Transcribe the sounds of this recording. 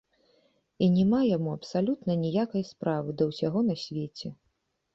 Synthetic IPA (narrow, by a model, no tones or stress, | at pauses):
inʲɛmajamuɐpsalʲut̪nɐnʲijakɐjspɾavɨd̪ɐwsʲaɣɔnɐsʲvʲet͡sʲɛ